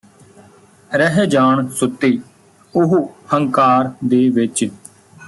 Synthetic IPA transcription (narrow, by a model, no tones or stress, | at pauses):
ɾəɦeːd͡ʒaːɳsʊt̪ːiː | ʊɦuhəŋkaːɾd̪eːʋɪt͡ʃ